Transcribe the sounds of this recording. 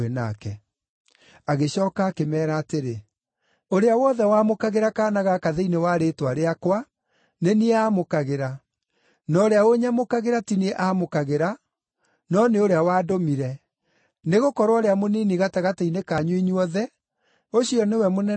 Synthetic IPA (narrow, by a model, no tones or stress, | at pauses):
ena̰kɛ | aɣeɕɔːkaːkemɛːɾaːteɾe | oɾeawɔðɛwaːmokaɣeɾakaːnaɣakaðeinewaɾetwaɾeakwa | neniɛaːmokaɣeɾa | nɔɾeaoɲamokaɣeɾatinieʔamokaɣeɾa | nɔneoɾeawaːdomiɾɛ | neɣokɔɾwɔɾeamoniniɣataɣatainekaɲwiɲuɔðɛ | oɕiɔnewɛmonɛ